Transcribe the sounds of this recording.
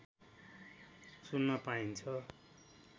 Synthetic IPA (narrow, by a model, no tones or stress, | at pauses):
sunːʌpaint͡sʰʌ